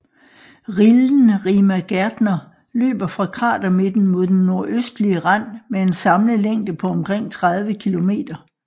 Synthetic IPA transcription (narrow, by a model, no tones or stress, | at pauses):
ʁiln̩ʁiːmæɡ̥æɐd̥nɐ | lø̰ːb̥ɐfʁɑ̈kʰʁɑ̰̈ːd̥ɐme̝d̥n̩mo̝ð̞ˠd̥enːo̝ɐ̰ʔøsd̥liəʁɑn̰mee̝nsɑ̈mləleŋ̰d̥əpʰɒ̽ɒ̽mkʰʁeŋ̰t͡sʰʁɑ̈ð̞ˠʋəkʰilo̝me̝̰ːd̥ɐ